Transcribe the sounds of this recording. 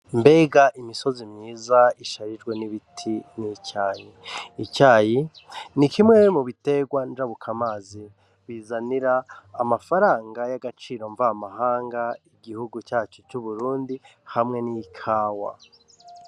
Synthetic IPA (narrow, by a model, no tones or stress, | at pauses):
mbe̞ɡaʔimiso̞zimɲiːzaiʃaɾid͡ʒɡwe̞niβitʰinicaːjiicaːji | nikʰimŋemuβite̞ɡwand͡ʒaβukʰamaːzi | βiːzaniɾaːmafaɾaːŋɡajaɡat͡ʃiːɾo̞ɱvamahaːŋɡaiɡihuɡut͡ʃaːt͡ʃut͡ʃuβuɾuːndihamŋe̞niikʰaːwa̰